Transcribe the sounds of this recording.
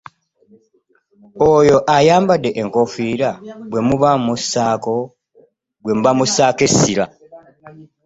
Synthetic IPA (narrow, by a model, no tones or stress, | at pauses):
ojo̞ʔajaːmbadːe̞ʔeŋko̞fiɾabwe̞muβamusːaːko̞ | bwe̞muβamusːaːke̞sːila̰